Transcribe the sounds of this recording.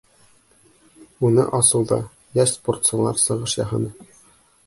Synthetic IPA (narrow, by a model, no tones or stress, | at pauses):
unɤ̰ʔɒsɤwðɑ̰ | jæʃsport̪sŏlˠɑɾsɤ̆ʁɤʃjɒɦɤ̆nɤ